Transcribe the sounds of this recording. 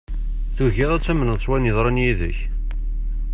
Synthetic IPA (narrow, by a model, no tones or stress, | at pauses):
θuʝæðˤæt͡sːæmənəðˤsˤwænjəðˤɾˤɑnjiðə̰ç